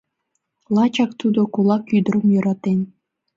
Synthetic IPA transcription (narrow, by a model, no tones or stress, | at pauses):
lˠɑt͡ɕɑkt̪ud̪okulˠɑkyd̪ə̆ɾəmjoɾɑt̪enʲ